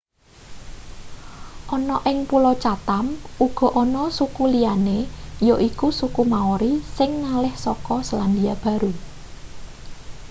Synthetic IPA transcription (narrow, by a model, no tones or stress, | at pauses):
ʔɔnɔʔɪŋpulɔt͡ʃat̪amuɡ̥ɔ̤ʔɔnɔsukulijanejoʔikusukumaoɾisɪŋnalɪhsɔkɔsəland̪iab̥ä̤ɾu